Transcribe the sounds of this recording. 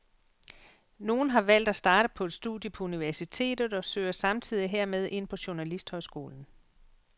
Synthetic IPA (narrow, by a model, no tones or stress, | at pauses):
no̝ːn̩ɦɑ̈ʋæl̰d̥æsd̥ɑ̈ːɾ̥əpʰɒ̽e̝d̥sd̥uðˠjəpʰɒ̽uniʋæɐsit͡sʰe̝̰ːd̥ð̞̩ˠɒ̽søːɪɐsɑ̈mt͡sʰið̞̰ˠiɦeɐ̰með̞ˠʔe̝n̰pʰɒ̽ɕunælisd̥hɒ̽ɪsɡ̥o̝̰ːln̩